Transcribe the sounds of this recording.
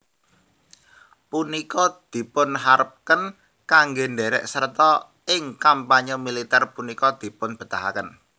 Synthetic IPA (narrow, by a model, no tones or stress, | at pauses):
punikɔd̪̥i̤pʊnɦaɾəp̚kən | kaŋɡenɖeɾɛ̰ʔsərt̪ɔ | ɪŋkampaɲɔmilit̪ɛrpunikɔd̪̥i̤pʊnb̥ə̤t̪aɦa̰kən